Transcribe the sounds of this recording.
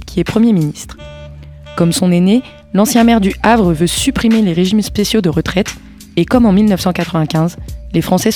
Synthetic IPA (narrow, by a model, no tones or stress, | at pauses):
kʲiɛpχəmjeminist̪χ | kɔmsɔ̃nene | lɑ̃sjɛ̃mɛʁd̪yʔavʁəvøsypχimeleʁeʒimspesjod̪əʁət̪χɛt̪ | ekɔmɑ̃milnœfsɑ̃kat̪χəvɛ̃kʲɛ̃zlefχɑ̃sɛ